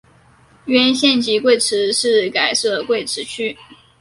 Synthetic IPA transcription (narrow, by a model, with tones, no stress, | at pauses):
ɥɛ˧˥nɕjɛ˥˩nt͡ɕi˧˥kwe˥˩ɪʈ͡ʂʰɻ̩˧˥ʂɻ̩˥˩ka˨˩ɪʂɤ˥˩ə˨˩kwe˥˩ɪʈ͡ʂʰɻ̩˧˥t͡ɕʰy˥˩